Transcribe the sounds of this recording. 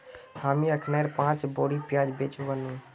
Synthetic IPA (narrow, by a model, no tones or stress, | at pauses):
hamiəkʰnaeɾpãt͡ʃboɽipjad͡ʒbet͡ʃbənũ